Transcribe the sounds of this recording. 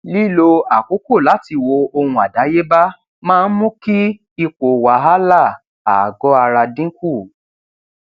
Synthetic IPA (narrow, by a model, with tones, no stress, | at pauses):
li˦˨lo˧a˨ko˨˦ko˦˨la˨˦ti˧wo˧o˧hũ˧a˨da˨˦je˦ba˦ | mãː˦˧n̩˦mũ˦ki˦ | i˧k͡po˨wa˨˦ɦa˦la˦˨ | a˨ɡɔ˨˦a˧ɾa˧dĩ˦ku˦˨